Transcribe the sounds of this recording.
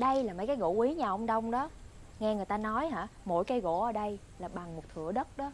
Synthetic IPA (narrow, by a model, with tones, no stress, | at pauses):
ɗə˧jlaː˨˩ma̰ː˧˥˦kaː˨˦jɣo̰˧˥ʔwi˨˦ɲaː˨˩ʔə˧wŋ͡mɗə˧wŋ͡mɗɔ˨˦ | ŋɛ˧ŋɨ˨˩əjt̪aː˧nɔ˨˦jɦa̰ː˧˥mo̰˧˩jkaː˨˦jɣo̰˧˥ʔəː˧˩ɗə˧j | laː˨˩ɓa˨˩ŋmo˨˩t̚t̪ʰɨ̰˧˩˨əɗə˦˥t̚ɗɔ˨˦